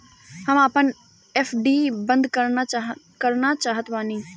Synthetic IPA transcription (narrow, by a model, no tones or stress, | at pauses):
həmaːpən | epʰɖibə̃nd̪kəɾna | kəɾnat͡ʃaːɦət̪ʋaːnĩː